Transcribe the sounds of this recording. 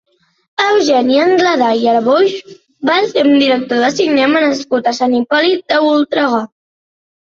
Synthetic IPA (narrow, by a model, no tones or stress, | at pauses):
əwʒɛnjəːŋɡlaðajəɾβoʒ | baseɾumd̪iɾək̚t̪oðəsiɡnɛmənəskut̪əsanipɔlid̪əulˠt̪ɾəɣɔ